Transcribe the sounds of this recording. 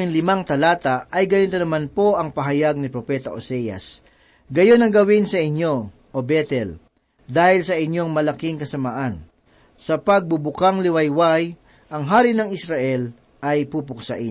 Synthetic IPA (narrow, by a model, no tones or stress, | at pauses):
ɪnlɪmaŋt̪ɐlaːt̪ɐʔɐjɡɐnit̪onɐmanpo̞ʔɐŋpɐɦɐjaɡ̚nɪpɾopɛt̪ɐʔo̰sɛjɐ̰s | ɡɐjonɐŋɡɐwɪnsɐʔɪɲjo̞ | ʔobɛt̪ɛl | d̪aːhɪlsɐʔɪɲjo̞ŋmɐlɐkɪŋkɐsɐmaːʔɐn | sɐpɐɡ̚bʊbʊkaŋlɪwɐjwaj | ʔɐŋɦaːɾɪnɐŋɪsɾaʔɛl | ʔɐjpuːpʊksɐ̰ʔɪ